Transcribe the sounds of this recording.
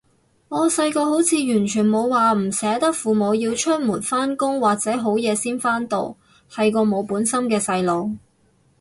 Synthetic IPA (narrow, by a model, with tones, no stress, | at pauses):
ŋɔː˨˧sɐ˧jkɔː˧ho˨˥wt͡sʰiː˨˧jyː˨˩nt͡ʃʰyː˨˩nmo˨˧wwaː˨m̩˨˩sɛː˨˥t̪ɐ˥k̚fuː˨mo˨˧wjiː˧wt͡ʃʰɵ˥t̚muː˨˩nfaː˥nkʊ˥ŋwaː˨k̚t͡sɛː˨˥ɦo˨˥wjɛː˨˧siː˥nfaː˥nt̪o̰˨˧w | hɐ˨jkɔː˧mo˨˧wpuː˨˥nsɐ˥mkɛː˧sɐ˧jlo˨w